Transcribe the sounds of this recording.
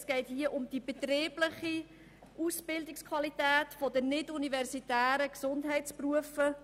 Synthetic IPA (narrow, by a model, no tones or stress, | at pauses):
sɡ̥ɛɪtɦiəʔʊmd̥ibətreːbləχi | ʔusb̥ɪldɪkskʰwɑlitæːtfodənɪdunivɛrsitæːɾəksʊndɦɛɪtspruəfə